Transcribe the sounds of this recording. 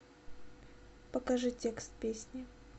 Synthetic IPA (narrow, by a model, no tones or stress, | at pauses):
pəkɐʐɨtʲekst̪̚pʲesʲnʲɪ